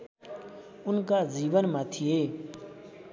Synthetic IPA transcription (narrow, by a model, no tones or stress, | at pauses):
ʊnkaːziːʋənmãːt̪ʰɪjeː